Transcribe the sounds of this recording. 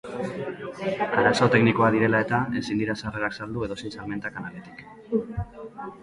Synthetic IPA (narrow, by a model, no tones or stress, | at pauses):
aɾaso̞t̪e̞kniko̞aðiɾe̞lae̞t̪ae̞sind̪iɾasareɾaksald̪ue̞ðo̞sisalme̞nt̪akanalet̪i̥k